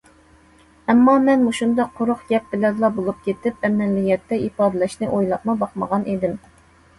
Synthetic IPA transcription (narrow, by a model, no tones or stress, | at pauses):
ɛmːɑmɛnmuʃund̪ɑqʰːoɾʊχɡʲɛp̚bɪlɛd̪lˠɑbolˠup̚kʲʰet̪ʰɪpɛmːɛlːijɛt̪ːɛipɑːd̪ɨlˠɛʃnɨʔojlˠɑp̚mɑbɑqmɑʁɑnʔid̪ɪm